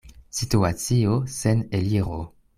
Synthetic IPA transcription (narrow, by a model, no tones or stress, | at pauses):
situat͡sioseneliʁo̰